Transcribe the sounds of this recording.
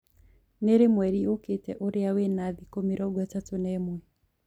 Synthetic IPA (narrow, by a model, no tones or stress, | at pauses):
neɾemwɛɾioketɛʔoɾeawenaðikomiɾɔɡwɛtatonɛmwɛ